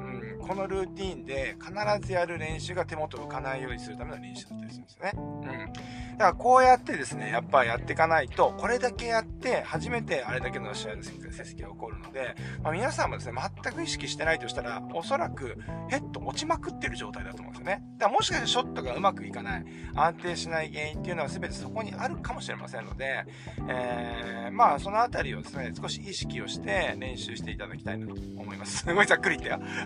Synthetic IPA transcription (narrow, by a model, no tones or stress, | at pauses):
ɯ̟̃ɴkʰo̞no̞ɾɯ̟ːt̪ʲiːnd̪e̞kʰanaɾazɨjaɾɯ̟ɾẽ̞ɰ̃ɕɨːɡat̪e̞mo̞t̪o̞ɯ̟kanaijo̞ːɲ̟isɨɾɯ̟t̪ame̞noɾẽ̞ɰ̃ɕɨ̟ːd̪at̪ːaɾʲiɕimnsjneɯ̟̃ɴ | d̪̥akaako̞ːjat̪ːe̞d̪e̞sɨne̞japːaɾʲijat̪ːe̞kanait̪o̞ko̞ɾe̞d̪ake̞jat̪ːe̞haʑime̞t̪e̞aɾe̞d̪akenoaɕianose̥kkːasese̥kʲiaoko̞ɾɯ̟no̞d̪e̞mamʲinasãmːo̞d̪e̞sɨne̞mat̪ːakɯ̟iɕi̥kʲiɕi̥t̪e̞nait̪o̞ɕi̥t̪aɾa̰o̞so̞ɾakɯ̟he̞t̪ːo̞ʔot͡ɕimakɯ̟t̪ːe̞ɾɯ̟ʑo̞ːt̪aid̪at̪om̰̃nsjoned̪ammo̞ɕi̥kaɕit̪oḁɕo̞t̪ːo̞ɡaɯ̟makɯ̟ikanai | ãnt̪e̞ːɕinaiɡe̞ːĩnt̪ːeiɯ̟no̞asɨbe̞t̪e̞̥so̞ko̞ɲ̟iʔaɾɯ̟kamo̞ɕiɾe̞̰mʔa̰sẽ̞nːo̞̰d̪e̞ | eːmaːso̞no̞at̪aɾʲiod̪e̞sɨne̞sɨ̥ko̞ɕiiɕi̥kʲio̞ɕi̥t̪e̞ɾẽ̞ɰ̃ɕɨːɕi̥t̪e̞it̪ad̪akʲi̥t̪ainat̪ooːmo̞imasɨ̥sɨɡo̞izakːɯɾʲit̪ːeja